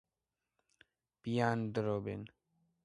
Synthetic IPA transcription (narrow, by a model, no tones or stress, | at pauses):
pijand̪ɾobḛn